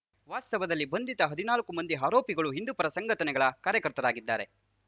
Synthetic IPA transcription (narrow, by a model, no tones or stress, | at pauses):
ʋaːst̪ɐʋɐd̪ɐlːibɐnd̪it̪ɐɦɐd̪inaːlɐkːumɐnd̪iɦaːɾoːpiɡɐɭuɦind̪upɐɾɐsɐŋɡɐt̪ɐnɛɡɐɭɐkaːɾjɐkɐɾt̪ɐɾaːɡid̪ːaːɾe